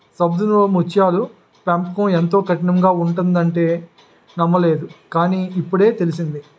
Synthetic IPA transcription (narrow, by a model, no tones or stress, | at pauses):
sɐb̚d̪unumut͡ʃːjaːlu | paːmpkɐ̃ːent̪o̞ːkɐʈinɐmɡaːuɳʈund̪ɐɳʈe̞ː | nɐmːɐle̞ːd̪ukaːniːipːuɽe̞ːt̪e̞lisind̪i